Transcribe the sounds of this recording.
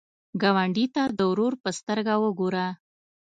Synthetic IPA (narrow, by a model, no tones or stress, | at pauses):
ɡawaɳɖit̪ad̪əwɾoɾpəst̪əɾɡawəɡoɾa